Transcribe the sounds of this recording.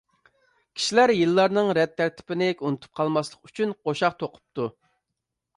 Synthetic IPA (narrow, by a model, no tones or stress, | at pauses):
kʲʰi̥ʃilæɾjɨlːɑɾnɨŋɾɛt̪ʰːæɾt̪ʰɪ̥pɪnɪkʲunɨt̪ʰu̥p̚qʰɑlˠmɑslˠəqyt͡ʃʰynqʰoʃɑq̚t̪ʰoqʰʊ̥p̚t̪u